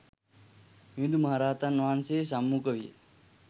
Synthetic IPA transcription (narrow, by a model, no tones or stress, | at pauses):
mid̪umɐɦaɾaːt̪anʋaːnses̬amːukəʋḭ